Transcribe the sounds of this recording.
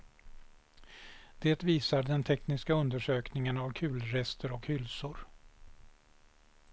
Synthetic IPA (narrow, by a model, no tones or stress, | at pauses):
d̪̥eːt̪viːsaɖ̪ɛnt̪ʰɛknɪskaɵnd̪əʂøːknɪŋənavkʰʉ̟ːlɾɛst̪əɾɔkhʏlsʊɾ